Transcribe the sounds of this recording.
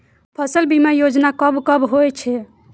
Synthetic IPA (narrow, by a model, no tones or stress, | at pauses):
pʰəsəlbʱimejod͡ʒnakəbkəbɦojt͡ʃʰɛ